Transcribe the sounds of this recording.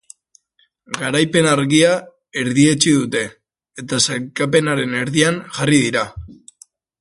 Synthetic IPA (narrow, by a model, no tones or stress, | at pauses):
ɡaɾajpe̞naɾɣia | e̞ɾðie̞t͡ʃiðut̪e̞ | et̪asakap̬e̞naɾe̞ne̞ɾðiaŋʝariðiɾa